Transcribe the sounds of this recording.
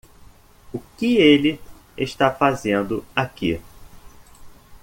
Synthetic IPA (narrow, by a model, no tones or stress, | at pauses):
ʊkɪelɪ | eʃt̪afazẽnd̪ʊakḭ